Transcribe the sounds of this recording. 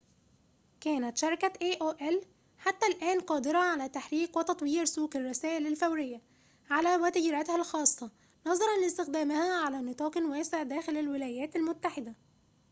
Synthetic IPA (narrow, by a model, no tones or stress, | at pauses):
kæːnæt̪ʃɑɾˤkæʔeːʔoːʔæl | ħat̪ːælʔæːnqɑːd̪ɪɾˤɑʕalæːt̪aħɾiːqwɪt̪ɑt̪ˤwiːɾsuːkɪrˤːɑsæːʔɪlɪlfæwɾɪjːa | ʕalæːwæt̪ɪd͡ʒːɾˤɑt̪hælxɑːsˤːɑ | nɑzˤɑɾˤɑnlɪst̪ɪxd̪æːmɪhæʕalæːnɨt̪ˤɑːqnwæːsɪʕd̪æːxɪlælwɪlæːjæːt̪ɪlmʊt̪ːaħɪd̪æ